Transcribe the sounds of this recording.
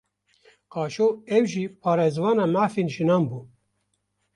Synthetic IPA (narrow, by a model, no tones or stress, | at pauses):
qɑːʃoːɛwʒiːpʰɑːɾezwɑːnɑːmaːfeːnʒinɑːmbuː